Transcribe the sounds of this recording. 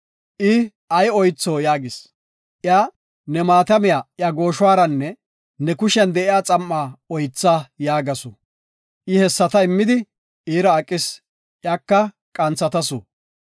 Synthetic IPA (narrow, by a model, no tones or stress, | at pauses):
ʔɪ | ɐjɔjt͡sːoːjaːɡɪs | ʔjaː | nɛmaːt̪ɐmɪjaːʔjaɡo̞ːʃwaːɾɐnːɛ | nɛkʊʃɛnd̪ɛʔɪjaːt͡sʼɐmːaːɔjt͡sːaːjaːɡɐsʊ | ʔɪhɛsːɐt̪ɐɪmːɪd̪ɪ | iːɾɐːkʼːɪs | ʔjaːkːɐ | kʼɐnt͡sːɐt̪ɐsʊ̰